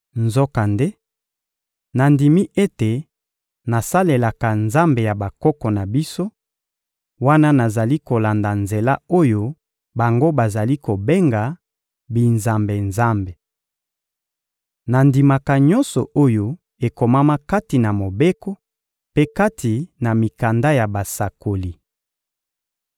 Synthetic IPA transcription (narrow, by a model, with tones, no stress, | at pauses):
nzɔ˦ka˨nde˦ | na˨ndi˨mi˦ʔe˦te˨ | na˨sa˦le˨la˨ka˨nza˦mbe˨ja˨ba˨kɔ˦kɔ˨na˨bi˦so˦ | wa˦na˦na˨za˨li˦ko˨la˨nda˨nze˨la˦o˦jo˦ | ba˨ŋɡo˦ba˨za˨li˦ko˨be˦ŋɡa˨ | bi˨nza˨mbe˨nza˦mbe˨ | na˨ndi˨ma˨ka˨ɲɔ˦nsɔ˨ʔo˦jo˦ | e˨ko˨ma˦ma˦ka˦ti˨na˨mo˨be˦kɔ˦ | pe˦ka˦tʰi˨na˨mi˨ka˨nda˦ja˨ba˨sa˨ko˨li˨